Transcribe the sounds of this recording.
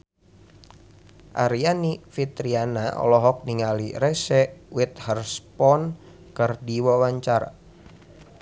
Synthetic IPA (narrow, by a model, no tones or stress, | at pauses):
ʔa̰ɾianifit̪ɾianaɔ̰lɔɦɔk̚niŋaliɾɛsɛwit̪̚hərspɔn | kɨrdiwawaɲt͡ʃaɾa̰